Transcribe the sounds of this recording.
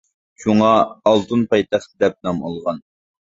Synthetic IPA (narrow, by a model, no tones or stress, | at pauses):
kʰuŋɑːlˠt̪ʰunpʰɑjt̪ʰæχt̪ʰɨd̪ɛp̚nɑmɑlˠʁɑn